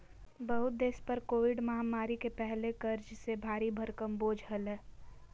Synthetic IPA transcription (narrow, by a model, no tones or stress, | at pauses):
bɐɦʊt̪̚d̪eːspɐɾkoːʋɪɖmɐɦamaːɾikepɛɦlekɐɾd͡ʒsebʱaːɾibʱɐɾkəmboːd͡ʒʱɦəlɛː